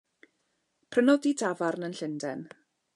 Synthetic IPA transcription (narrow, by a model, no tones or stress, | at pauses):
pʰrənɔdidavarnənɬɪndɛn